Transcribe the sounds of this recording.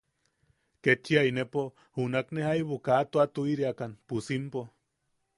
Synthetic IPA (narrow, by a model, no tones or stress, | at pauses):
ket͡ʃːiainepo | hunaknehaiβokat̪oat̪uiɾiakanpusimpo